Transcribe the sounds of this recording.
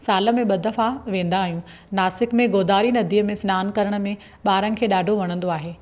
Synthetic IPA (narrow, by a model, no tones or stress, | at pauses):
saːlə̆mẽɓɐd̪ʱɐfaʋẽːn̆d̪aːɦijũ | naːsɪkmẽɡoːd̪aːɾinɐd̪ʱiːəmẽsnaːnkɐɾəɽ̃ə̆mẽ | ɓaːɾənɪ̆kʰeːɗaːɖʱoʋɐɽ̃ə̃nd̪oaːɦeː